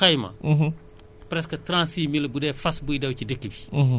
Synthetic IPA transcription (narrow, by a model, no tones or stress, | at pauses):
kɐjmɐ̰ | pɾɛskɐtɾãnsiːmilɐbudɛːfɐsbujdɐwcidəkːibi